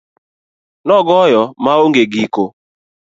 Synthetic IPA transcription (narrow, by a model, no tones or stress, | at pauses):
nɔɡɔjɔmaoŋɡeɡiko